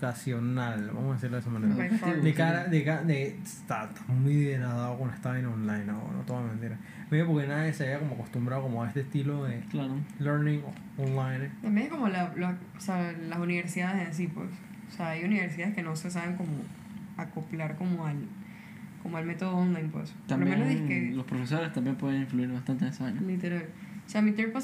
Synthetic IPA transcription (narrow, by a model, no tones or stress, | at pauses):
kasjonalba̰mosaðesiɾloðesamaneɾad̪ekaɾad̪ekad̪e | t̪at̪ḁmmujðeɾaðaðokond̪est̪aβenonlajnao̰no̰t̪oðameβent̪iɾa | meðjopoɾke̞naðjeseaβiakomoako̞st̪umbɾaðoko̞moae̞st̪est̪ilo̞ðeklaɾoleɾnĩŋo | onlajnt̪ambje̞ŋesko̞molaloosealasuniβeɾsiðaðeðeas̬ipwḛs | oseaajuniβeɾs̬iðaðeske̞no̞se̞s̬aβeŋko̞mo | akoplaɾko̞moal | komoalme̞t̪o̞ð̞oonlajnpwḛst̪ambbmenleðiŋkelo̞spɾofe̞so̞ɾe̞st̪ambje̞mpweðeiɱfluiɾβast̪ant̪enesaɲalit̪eɾal | oseamit̪eɾpa